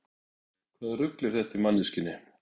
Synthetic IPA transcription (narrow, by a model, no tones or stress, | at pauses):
kʰvaːðrʏklɪɾ̥θɛht̪imanːiscɪnːɪ